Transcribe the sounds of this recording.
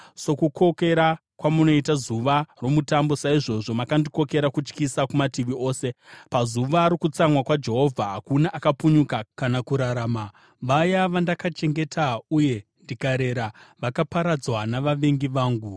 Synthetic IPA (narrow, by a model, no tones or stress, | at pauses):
so̞kuko̞ke̞ɾa | kwamuno̞itazuʋaro̞mutambo̞saiʐo̞ʐo̞makandiko̞ke̞ɾakut͡ʃkisakumatiʋio̞ːse̞pazuʋaːɾikut͡samwakwad͡ʒe̞ɦo̞vʱaɦakunaʔakapuɲukakanakuɾaɾaːma | ʋajaʋandakat͡ʃe̞ŋɡe̞tʰauje̞ndikaɾe̞ɾaʋakapaɾad͡zwanaʋaʋeŋɡiʋaːŋɡu